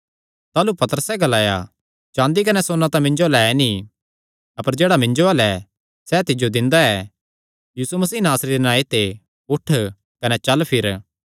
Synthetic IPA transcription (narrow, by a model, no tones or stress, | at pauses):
t̪aːlupɐt̪əɾəsɛɡɐlaːja̰ | t͡ʃãːnd̪ik̬ɐnɛsoːnãt̪ãmɪ̃ɲd͡ʒoalɛɛni | ɐpəɾd͡ʒeːɽamɪ̃ɲd͡ʒoaːlɛ | sɛt̪ɪd͡ʒod̪ɪ̃nd̪aɛː | jiːsumɐsiːnaːsɾeɾenãːit̪e | ʊʈʰ | kɐnɛt͡ʃɐlpʰɪɾ